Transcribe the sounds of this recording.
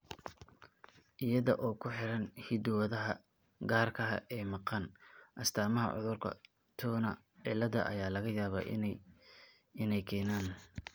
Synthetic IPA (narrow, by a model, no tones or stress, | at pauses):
ʔɪjɐðɔʔɔːkʰʊħɪɾɐnhɪd̪ʊwɐðɐɦɐ | ɡaːrkʰɐɐ̰ʔɛːmɑqɑnʔɐst̪ʰaːmɐɦɐ̰ʕʊ̰ðʊrkʰɐ̰ | t̪ʰɔːnɐ̰ | ʕɪlːɐðɐ̰ʔɐ̰jaːlɐɣɐjaːβa̰ | ɪnɛjkʰɛːnaːn